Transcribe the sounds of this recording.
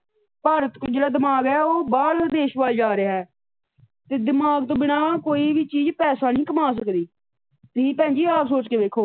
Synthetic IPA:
paːɾət̪kod͡ʒeːɽaːd̪ɪmaːɡɛːoːbaːɽd̪eːʃʋaːld͡ʒaːɾeɛː | t̪eːd̪ɪmaːɡt̪õːbɪnaːkoːiːʋiːt͡ʃiːd͡ʒpɛːsaːnĩːkəmaːs̬əkd̪iː | t̪iːpɛ̃ːnd͡ʒiːaːpsoːt͡ʃkeːʋeːkʰoː

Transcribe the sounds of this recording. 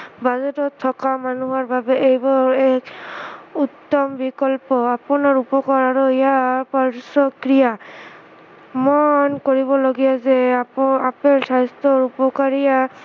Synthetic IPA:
bazetɔt̪ʰːɔkamanuɦɔɹbabɛʔejbɔɹɛk | ut̪ːɔmbikɔlpɔapɔnaɹupɔkaɹaɹɔijapɔɹsɔkɹija | mɔnkoɹibɔloɡijazɛapeɹsajst̪ɔɹupɔkaɹija

